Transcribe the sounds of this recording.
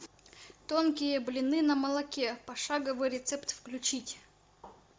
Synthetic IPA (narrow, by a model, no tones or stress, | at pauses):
t̪onkʲɪjəblʲɪnɨnɐmɐlˠɐkʲepɐʂaɡəvɨjɾʲɪt̪sɛpt̪fklʲʉt͡ɕitʲ